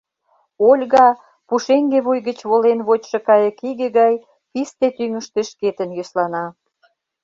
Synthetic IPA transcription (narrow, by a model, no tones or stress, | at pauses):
olʲɣɑ | puʃeŋɡeβujɣət͡ɕβolenβot͡ɕʃɤ̆kɑjə̆kiɣĕɣɑj | pist̪et̪yŋə̆ʃt̪eʃket̪ə̆njøslɑnɑ